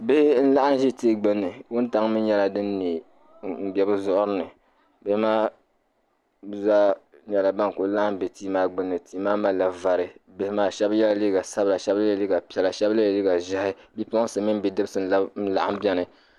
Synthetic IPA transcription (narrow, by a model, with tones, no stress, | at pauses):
be˦hn̩˦la˦ʔa˦n˦ʒi˦ti˦ɡ͡bɨ˦nːɨ˨wʊ˦n˦ta˦ŋ˦mɨ˦ɲɛ˦la˨dɨ˦nː˦i˨ | m̩˦bʲɛ˦bɨ˦zʊ˦ʔʊ˦ɾɨ˦nɨ˨ | be˦hɪ˦maː˦ | za˦ɲɛ˨la˨ba˦n˨ko˨˦la˦ʔa˦m˨be˨tiː˦maː˦ɡ͡bɨ˦nːɨ˨tʰiː˦maː˦ma˦la˨va˨ɾɨ˨be˨hɪ˦maː˦ʃɛ˦bjɛ˦la˦li˦ɡa˨sa˦bla˨ʃɛ˦ble˨li˦ɡa˨pɛ˨la˨ʃɛ˦ba˦˨li˦ɡa˨ʒa˦hɪ˦bi˦pʊ˦sɨ˨mi˦m˦bi˨dɨ˦bɨ˦sɨ˦n̩˦la˦n̩˦la̰˨ʔa˦bʲɛ˦nɨ˨